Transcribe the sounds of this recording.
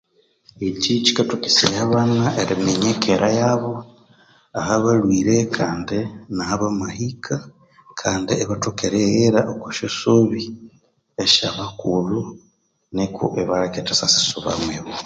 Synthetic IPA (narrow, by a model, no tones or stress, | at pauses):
ecit͡ʃikatukisajaβanaʔeɾimeɲekʰeɾʔajaβo̞ | ahaβalwiːɾekʰaːndinahaβamahikʰa | kʰaːndieβatokeɾejeɾaʔokuʃosoβi | eʃaβakulu | nekṵʔeβaɾaketasasi̥suβa̰mweβo